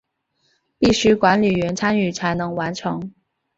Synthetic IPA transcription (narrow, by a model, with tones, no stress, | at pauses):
pi˥˩ɕy˥kwa˧˥nli˨˩ɥɛ˧˥nt͡sʰa˥ny˥˩t͡sʰa˧˥ɪnɤ˧˥ŋwa˧˥nʈ͡ʂʰɤ˧˥ŋ